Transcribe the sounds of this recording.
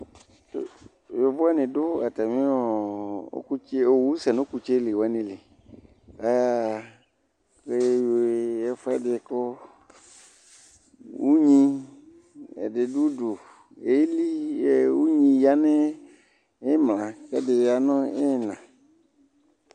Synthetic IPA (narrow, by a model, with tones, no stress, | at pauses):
jo˨vʊ˦ɛ˦nɪ̃˨dʊ˦a˨ta˨mĩ˦ɔ˦˨o̰˦ku˦t͡ʃe˦o˨wu˦sɛ˨nʊ˦ku˧t͡ʃe˦lɪ˨wɛ˨˦nɪ̃˨lɪ˨ | a˨ja˦ | ke˦jo˨jɛ˦fɛ˦dɪ˧kʊ˦ | wu˦ɲĩ˦ | ɛ̰˨dɪ˨du˦dʊ˨ | e˨˦li˦˨wu˦ɲĩ˧ja˦nɪ˦ | e˦mlã˨kɛ˦dɪ˨a˨nɔ̃˦e˦˨nã˨